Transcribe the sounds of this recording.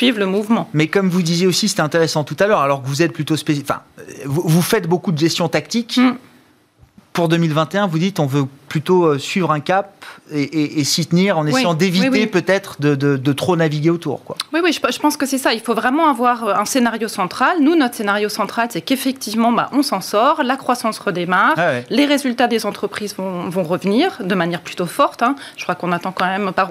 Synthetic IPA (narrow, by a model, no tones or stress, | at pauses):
sɥivləmuvmɑ̃mɛkɔmvud̪izjeosise̥t̪ɛ̃t̪eʁesɑ̃t̪ut̪alœʁalɔʁkvuzɛt̪̚plyt̪ospẽfɛ̰̃vuvufɛt̪bokud̪əʒɛst̪jɔ̃t̪akt̪ikʲ | puʁd̪ømilvɛ̃t̪eɛ̃vud̪it̪ɔ̃vøplyt̪oøsɥivʁɛ̃kʲap̚eʔeːsit̪niʁɑ̃nesejɑ̃d̪eviepøt̪ɛt̪χəd̪əd̪əd̪ət̪χonaviɡʲeot̪ṵːʁkwa̰wiwiʒəpʒəpɑ̃skəsɛsailfovʁɛmɑ̃avwaʁøɛ̃senaʁjosɑ̃t̪χalnunɔt̪χəsenaʁjosɑ̃t̪χalsɛkefɛk̚t̪ivmɑ̃ba̰ʔɔ̃sɑ̃sɔʁlakχwasɑ̃sʁəd̪emaʁleʁezylt̪ad̪ezɑ̃t̪χəpχizvɔ̃vɔ̃ʁəvniːʁd̪əmanjɛʁply̥t̪ofɔʁt̪ɛ̃ʒə̥kʁwakɔ̃nat̪ɑ̃kɑ̃mɛmpaʁ